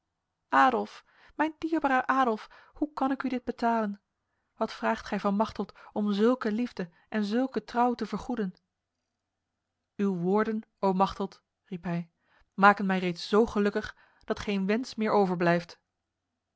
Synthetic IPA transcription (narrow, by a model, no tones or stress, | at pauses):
ʔaːdɔlˠf | mɛjndiːɹbaːɾəʔaːdɔlˠf | hukɑnɪkydɪd̚bətaːlən | ʋɑtfraːχtχɛjvɑnmɑχtəlˠtɔmzɵlˠkəlivdə | ʔɛnzɵlˠkətrɑwtəvəɹχudən | ywʋʊːɹdən | owmɑχtəlˠt | ripɦɛj | maːkənmɛjrejtszowχəlɵkəχ | d̥ɑtχejnʋɛnsmɪːɹowvəɹblɛjft